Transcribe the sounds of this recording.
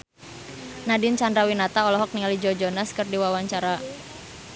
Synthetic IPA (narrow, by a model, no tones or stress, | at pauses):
nadɪnt͡ʃandɾawinat̪aɔlɔɦɔk̚niŋalid͡ʒɔd͡ʒɔnaskərdiwawaɲt͡ʃaɾa